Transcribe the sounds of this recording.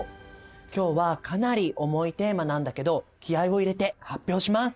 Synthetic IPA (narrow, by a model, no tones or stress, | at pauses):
kʲo̞ːβakʰanaɾʲiʔo̞mo̞it̪e̞ːmanãnd̪ake̞d̪o̞kʲiaiβo̞iɾe̞t̪e̞hapʲːjo̞ːɕimasɨ̥